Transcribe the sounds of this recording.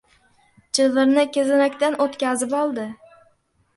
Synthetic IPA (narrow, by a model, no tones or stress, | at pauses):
t͡ʃʰɪvɪɾnɪkʲezɪnakʲt̪anot̪kʲazɪpɒlˠd̪ɪ